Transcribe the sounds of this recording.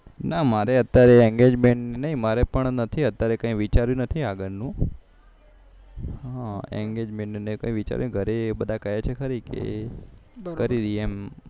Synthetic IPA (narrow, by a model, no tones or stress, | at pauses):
namaɾeət̪jaɾeɛ̃ŋɡed͡ʒmeɳʈnenəɦĩmaɾepəɳnət̪ʰiət̪ːjaɾekə̃ĩʋit͡ʃaɾjũnət̪ʰiaɡəɾnũ | ɦãɛ̰̃ŋɡed͡ʒmẽɳʈnenekə̰̃ĩʋit͡ʃa̰ɾjũɡʱəɾebəd̪ʱakəjet͡ʃʰekʰəɾikḛ | kəɾiɾiem